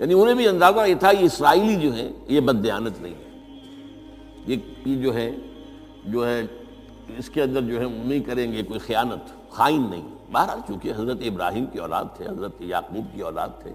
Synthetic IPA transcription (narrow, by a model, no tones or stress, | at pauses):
jaːniʊnẽbʱiɐ̃nd̪aːkajet̪ʰajeɪsɾaːiːlid͡ʒoːɦɛ̰jebɐd̪ːɪjaːnət̪nɐɦḭ̃ː | jeed͡ʒoːɦɛ | d͡ʒoːɦɛ | ɪskeɐ̃nd̪əɾd͡ʒoːɦɛʊmikɐɾẽːŋɡekoːixijaːnət̪ | xaːɪnːɐ̰ɦḭ̃ | baɦaɾaːt͡ʃũːkieɦɐzɾət̪eɪbɾaːɦiːmkeɔ̰ːla̰ːd̪̚t̪ʰɛ̰ɦɐzɾət̪jaːquːb̚keɔːla̰ːd̪̚t̪ʰḛː